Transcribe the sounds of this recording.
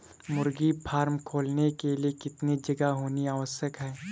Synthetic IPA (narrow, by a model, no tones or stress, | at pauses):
mʊɾɡipʰaːɾmkʰoːlnekeliekɪt̪nid͡ʒɐɡaɦoːniaːʋəsjəkɦɛː